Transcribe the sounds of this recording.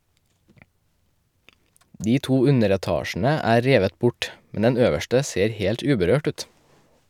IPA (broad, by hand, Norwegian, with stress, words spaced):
ˈdiː ˈtuː ˈʉnəɾɛˌtɑːʃn̩ə ˈæː ˈɾeːʋət ˈbʊʈ ˈmɛn ˈɛn ˈøːʋəʃʈə ˈseːɾ ˈheːlʈ ˈʉːbəɾøːʈ ˈʉːt